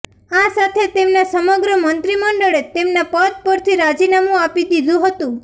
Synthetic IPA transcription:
asat̪ʰet̪emnasəməɡɾəmənt̪ɾiməɳɖəɭet̪emnapət̪̚pəɾt̪ʰiɾad͡ʒinamũapid̪id̪ʱũɦət̪ũ

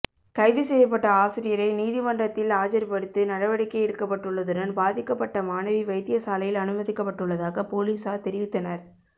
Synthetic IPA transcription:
kɐɪðɯsɛjɐp̬ːɐʈːɐaːsɪɾɪjɐɾɐɪniːðɪmɐndrɐt̪ːɪlaːd͡ʒɐɾpɐɽɯt̪ːɯnɐɽɐʋɐɽɪkːɐɪɛɽɯkːɐpːɐʈːɯɭːɐðɯɾɐnbaːðɪkːɐpːɐʈːɐmaːnɐʋiʋɐɪt̪ːɪjɐsaːlɐjɪlɐnɯbɐðɪkːɐpːɐʈːɯɭːɐðaːɣɐpoːliːsaːt̪ɛɾɪʋɪt̪ːɐnɐɾ

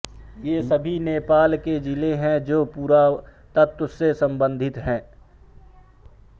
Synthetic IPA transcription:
jeːsɐbʱineːpaːlked͡ʒɪleɦɛ̃d͡ʒoːpuːɾat̪ət̪ʊsːesɐ̃mbə̃nd̪ʱɪt̪ɦɛ̃ː

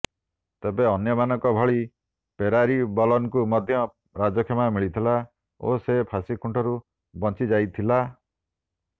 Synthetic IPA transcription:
t̪ebeɔnjɔmanɔŋkɔbʱɔɭi | peɾaɾibɔlɔnkumɔd̪ʱjɔ | ɾad͡ʒɔkʰemamiɭit̪ʰila | o̰sepʰasikʰuɳʈʰɔɾu | bɔnt͡ʃid͡ʒajt̪ʰila

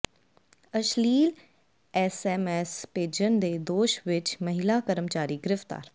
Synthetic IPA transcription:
əʃliːl | ɛːsɛːmɛːspeːd͡ʒənd̪eːd̪oːʃʋɪt͡ʃməɦɪlaːkəɾəmt͡ʃaːɾiːɡɪɾɪft̪a̰ːɾ

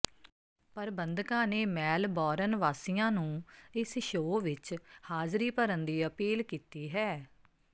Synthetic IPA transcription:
pəɾbənd̪kãːneːmɛːlbɔːɾənʋaːsɪjãːnũːɪsʃoːʋɪt͡ʃhaːzɾiːpəɾənd̪iːəpiːlkiːt̪iːɦɛː

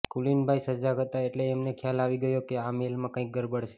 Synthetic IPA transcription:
kulinbʱajsəd͡ʒakət̪aeʈleːmnekʰjalaʋiɡəjokeamelmãkãik̚ɡəɾbəɽt͡ʃʰe̥

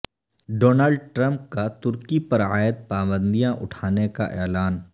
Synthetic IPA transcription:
ɖoːnaːlɖʈɾə̃mp̚kat̪ʊɾkipɐɾaːjəd̪̚paːbə̃nd̪ijãʔʊ̰ʈʰaːneka̰ʔɛːlaːn

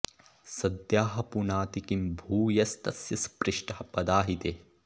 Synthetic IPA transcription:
sɐd̪jaːɦɐ̆punaːt̪ikimbʱuːjɐst̪ɐsjɐspɾɪʂʈɐhɐpɐd̪aːɦit̪e

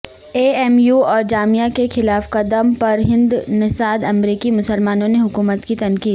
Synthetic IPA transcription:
eːɛːmjuːɔːɾd͡ʒaːmijakexɪlaːfqɐd̪əmpɐɾɦɪ̃nd̪nɪsaːd̪ɐmɾiːkimʊsəlmaːnõneɦʊkuːmət̪kit̪ɐnkiːd̪

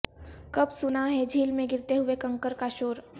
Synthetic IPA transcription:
kɐbsʊnaɦɛd͡ʒʱiːlmẽɡɪɾt̪eɦʊekɐ̃ŋkəɾkaʃoːɾ

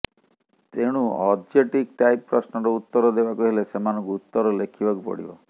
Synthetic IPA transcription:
t̪eɽ̃uɔd͡ʒeʈikʈajpːɾɔsnɔɾɔut̪ːɔɾɔd̪ebakuɦelesemanɔ̃ŋkuut̪ːɔɾɔlekʰibakupɔ̰ɽḭbɔ̰

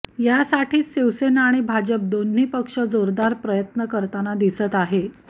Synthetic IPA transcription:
jasaʈʰiːsiwsenaaɽ̃ibʱad͡ʑəp̚d̪on̤ːiːpəkʂəd͡zoɾd̪aɾpɾəjət̪nəkəɾt̪anad̪isət̪aɦe

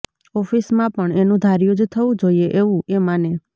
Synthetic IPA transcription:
ɔfʰismãpəɳenũd̪ʱaɾjud͡ʒt̪ʰəʋũd͡ʒoieʔeʋũemane

